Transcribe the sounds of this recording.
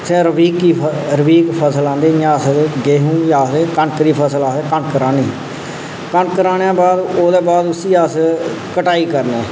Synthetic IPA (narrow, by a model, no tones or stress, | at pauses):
sɛ̃ːɾəʋiːkːiːɾəʋiːkpʰəsəlãːnd̪eːjãːsɡeːɦũːjaːseːkəɳkəɾiːpʰəsəlaːseːkəɳkəɾaːniː | kəɳkəɾaːnãːbaːd̪oːd̪eːbaːd̪ʊsiːəs | kəʈaːiːkəɾnḛ̃ː